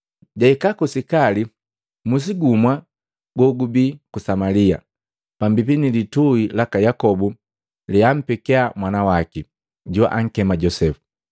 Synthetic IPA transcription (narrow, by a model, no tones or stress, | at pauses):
ɟaikakusikali | mus̬iɡumwa | ɡɔɡubikusamalia̰ | pambipinilituilakajakɔbu | liam̩pɛkɛamwanawaki | ɟua̰ʔaŋ̩kɛmaɟɔsɛfu̥